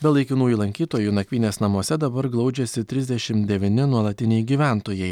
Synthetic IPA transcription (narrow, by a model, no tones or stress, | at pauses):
bʲɛlˠɐɪkʲɪnuːjulˠɐŋʲkʲiːt̪oːjunɐkʲʋʲiːnʲeːsnɐmuɔsʲɛd̪ɐbɐɾɡlˠɒʊd͡ʒʲɛsʲɪt̪ʲɾʲɪzʲd̪ʲɛʃʲɪmt̪d̪ʲɛʋʲɪnʲɪnuɔlˠɐt̪ʲɪnʲɛɪɡʲiːʋʲæˑnt̪oːjɛɪ